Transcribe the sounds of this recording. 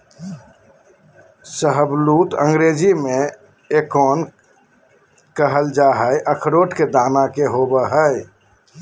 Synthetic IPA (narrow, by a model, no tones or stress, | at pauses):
səɦəblut̪ə̰̃ŋɡɾed͡ʒime | ekɔn | kəɦəld͡ʒaɦəʔəkʰɾoʈked̪anakeɦobəɦəj